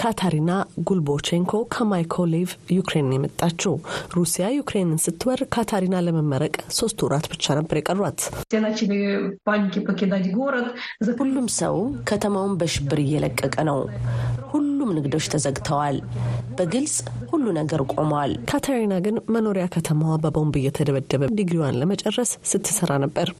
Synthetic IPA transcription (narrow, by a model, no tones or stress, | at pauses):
kʰat̪ʰaɾinaɡulbo̞t͡ʃeŋkʰo̞kʰəmajkʰolivjukɾe̞njɛmət̪ʼːat͡ʃːɛwɾusijajukɾenɨnsɨt̪ʰːɨwəɾkʰat̪ʰaɾinaləməmːəɾəkʼso̞st̪ʰuɾat̪bɨt͡ʃːanəbːəɾjakʼərːwat̪senat͡ʃːibebankipəked̪ad͡ʒɡoɾət̪zhulːumsə̰wkʰət̪ʰəmawnbəʃɪbːɨɾɨjːɛləkʼːəkʼənəwhulːumnɨɡd̪o̞t͡ʃːt̪ʰəzəɡt̪ʰəwalb̥əɡɨlsʼhulːunəɡəɾkʼo̞mwalkʰat̪ʰaɾinaɡɨnməno̞ɾijakʰət̪ʰəmawabəbo̞mbɨjːɛt̪ʰəd̪əβəd̪ːəβəd̪iɡɾiwanləmət͡ʃʼɛrːəsːɨt̪ʰːɨ̥səɾanəbːəɾ